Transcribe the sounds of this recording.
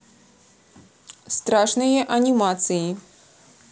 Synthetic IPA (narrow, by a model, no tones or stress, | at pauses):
st̪ɾaʂnɨjɛʔɐnʲimat̪sɨji